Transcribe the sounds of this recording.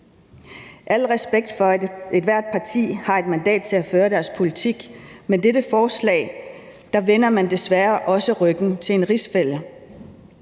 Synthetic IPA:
ʔæl̰ʁɛsb̥eɡ̥̚d̥fɒ̽e̝d̥ʋæɐ̰d̥̚pʰɑ̈t͡sʰḭːhɑ̈e̝d̥mænd̥ɛ̰ːd̥̚t͡sʰe̝læføːɐɾ̥æɐspʰo̝lit͡sʰiɡ̥medeɾəfɒːslɛ̰ːɪ | d̥ɑ̈ʋen̰ɐmænd̥e̝sʋæɐʔɒ̽səʁœɡ̥n̩t͡sʰe̝e̝nʁisfel̰ə

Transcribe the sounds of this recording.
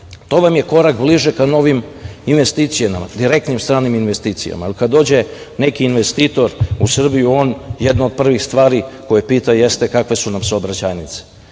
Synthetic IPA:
t̪o̞ːʋamje̞ko̞ɾakbliʒekano̞ʋiminʋe̞st̪iːt̪sijamamad̪iɾe̞k̚t̪nimst̪ɾaːniminʋest̪iːt̪sija̰maelkad̪d̪o̞ːd͡ʑe̞ | ne̞kiːnʋest̪iːt̪o̞ɾusr̩bijuo̞ːnjed̪nood̪̚pr̩ʋixst̪ʋaːɾiko̞jepiːt̪aje̞st̪ekakʋe̞sunamsobɾat͡ɕajnit̪se̥

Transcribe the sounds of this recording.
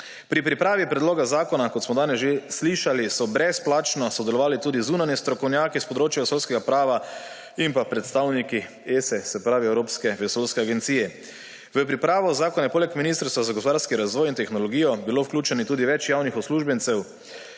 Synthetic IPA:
pɾipɾipɾaːʋipɾɛd̪loːɡazaːkɔnakoɔt̪smɔd̪aːnɛsʒesliʃalisɔbɾɛsplaːt͡ʃnɔsɔd̪ɛlɔʋaːlit̪uːd̪izuːnanjɛst̪ɾɔkɔwnjaːkispɔd̪ɾoːt͡ʃjɛʋesolskɛɡapɾaːʋa | impapɾɛt̪st̪awniki | esɛsɛpɾaːʋiɛwɾoːpskɛʋɛsoːlskɛaɡent̪siːjɛ | ʋəpɾipɾaːʋɔzaːkɔnɛpoːlɛkminist̪əɾst̪ʋazaɡospod̪aɾskiɾazʋɔːjint̪ɛxnɔlɔɡiːjɔbiloːwklʲuːt͡ʃɛnit̪uːd̪iʋɛt͡ʃjaːwnixɔsluːʒbɛnt̪sɛw

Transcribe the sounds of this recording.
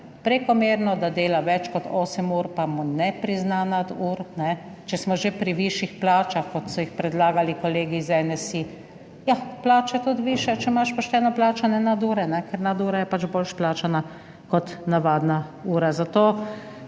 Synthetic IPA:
pɾɛkɔmeːɾnɔd̪ad̪eːlaʋɛt͡ʃkɔt̪ʰoːsɛmuɾpamɔnɛpɾiznanad̪uːɾnɛ | t͡ʃɛsmɔʒepɾiʋiʃixplaːt͡ʃaxkɔt̪sɔjixpɾɛd̪laːɡalikɔleːɡizɛnɛsi | japlaːt͡ʃɛt̪ut̪ʋiːʃɛt͡ʃɛmaʃpɔʃt̪ɛːnɔplaːt͡ʃanjɛnad̪uːɾɛnɛkɛɾnad̪uːɾajɛpad͡ʒbolʃplaːt͡ʃana | kɔt̪naʋaːd̪nauːɾazat̪oː

